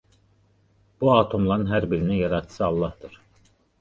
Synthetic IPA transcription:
b̥uɑːt̪ʰo̞mlˠɑnɯnɦæɾbiɾinijɑɾɑt̪ʰɯ̥sɯɑlˠːɑhd̪ɯɾ̥

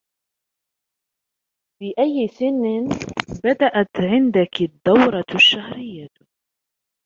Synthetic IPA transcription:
fiːʔajːɪsɪnːɪnbad̪aʔat̪ʕɪnd̪akd̪ːawɾˤɑʃːahɾɪjːa

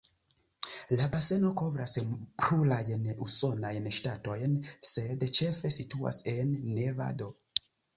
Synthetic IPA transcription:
labaseno̞ko̞vɾaspɾulajnuso̞najnʃtato̞jnsedt͡ʃefe̞situa̰senːeva̰do

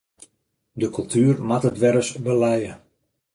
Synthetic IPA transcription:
dəkylˠtʰyːrmatətʋɛɾəsbəlɛjə

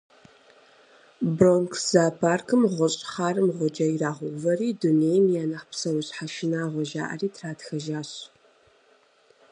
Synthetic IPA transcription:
broŋkʰz̥aːpʰaːrkʰɨmʁʷɔɕʼħaːrɨmʁʷɔd͡ʒɐiraːʁʷʊvɐriːdunejmjaːnɐχpsɐwʊɕħaʃɪnaːʁʷɔʒa̰ːʔɐ̰riːtʰraːtxɐʒaːɕ

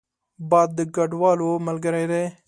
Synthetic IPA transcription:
bad̪ɡəɖʋaːloːməlɡəɾeːɾeː

